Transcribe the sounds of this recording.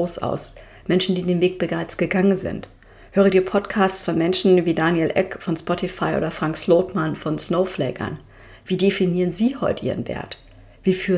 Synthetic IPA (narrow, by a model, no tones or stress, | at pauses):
oːsʔa̰ʊs | mɛnʃn̩diːdeːnveːk̚b̥əɡaɪt͡stɡ̥əɡaŋənzɪ̰nt | høːʁədiːɐpʰɔtkʰaːstt͡sfɔnmɛnʃn̩viːdaːnjɛlʔɛkfɔnspɔtʰifaɪʔo̰ːdɐfʁ̥aŋksloːtmanfɔnsnoʊflɛːɡɐ̰n | v̥iːdefiniːʁənziːhɔʏtəʔḭːʁənvɛ̰ɐt | v̥iːfyː